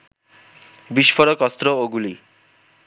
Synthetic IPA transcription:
biʃfɔɾokɔst̪ɾooɡuli

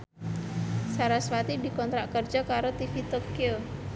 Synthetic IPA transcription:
saɾaswat̪idi̤kɔnt̪ɾaʔkərd͡ʒɔkaɾot̪ifit̪okio

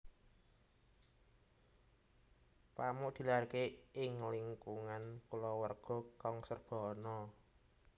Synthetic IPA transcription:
pamʊʔd̪̥i̤larkeɪŋliŋkuŋankulɔwərɡ̥ɔ̤kɔŋsərb̥ɔ̤nɔ

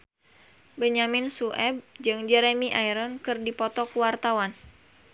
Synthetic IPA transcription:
bəɲamɪnsuʔɛb̚d͡ʒɨŋd͡ʒɛɾemiʔajɾɔnkɨrdipɔt̪ɔkuwart̪awan

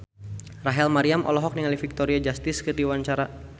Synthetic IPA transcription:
raɦɛlmaɾiamʔɔ̰lɔɦɔk̚niŋalifik̚t̪oɾiad͡ʒast̪ɪskɨrdiwaɲt͡ʃaɾa

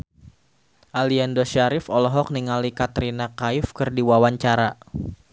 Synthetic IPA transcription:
ʔaliandɔʃaɾɪfɔlɔɦɔk̚niŋalikat̪ɾinakaɪfkɨrdiwawaɲt͡ʃaɾa

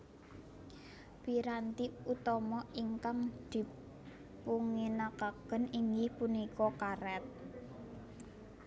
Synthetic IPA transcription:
piɾant̪iut̪ɔmɔiŋkaŋd̪̥i̤ | puŋinakaɡ̥ə̤niŋɡɪhpunikɔkaɾɛt̪̚

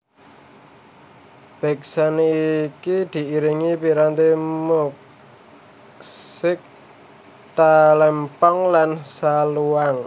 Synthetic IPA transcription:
b̥ɛ̤ksaneikid̪̥i̤iɾiŋipiɾant̪emuk̚ | sɪk̚ | t̪alɛmpɔŋlansaluaŋ

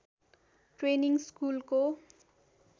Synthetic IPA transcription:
ʈreniŋskulko

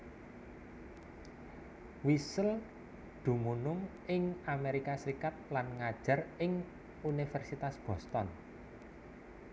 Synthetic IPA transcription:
wisəl | d̪̥ṳmunʊŋ | ɪŋameɾikasɾikat̪̚lanŋad̥ʒ̥ä̤rɪŋ | unifɛrsit̪asb̥ɔ̤st̪ɔn

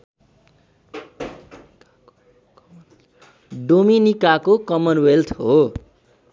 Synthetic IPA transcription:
ɖominikakokʌmʌnwelt̪ʰɦo

